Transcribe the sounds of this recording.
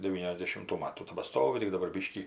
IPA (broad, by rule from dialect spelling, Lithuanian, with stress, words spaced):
dʲɛʋʲiːnʲɛzʲdʲɛʃʲɪmˈtuː ˈmɑːtuː tʲɛbɐˈstoːʋʲɪ tʲɪk dɐˈbɐr ˈbʲɪʃʲkʲiː